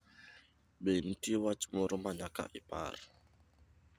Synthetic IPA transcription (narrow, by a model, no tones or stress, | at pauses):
ben̩tiwat͡ʃmuɾumaɲaka̰ʔipa̰r